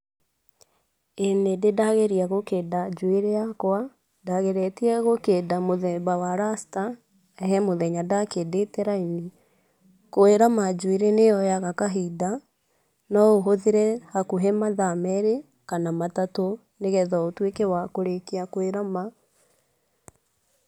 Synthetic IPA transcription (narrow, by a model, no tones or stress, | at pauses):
enededaɣeɾiaɣokedad͡ʒueɾejakwa | daɣeɾɛtiɛɣokedamoðɛbawaɾasta | ɛɦɛmoðɛɲadakedetɛɾaini | koeɾamad͡ʒueɾenejɔjaɣakaɦida | nɔoɦoðeɾɛhakuɦɛmaðamɛɾe | kanamatato | neɣɛðɔotwekewakoɾekeakweɾama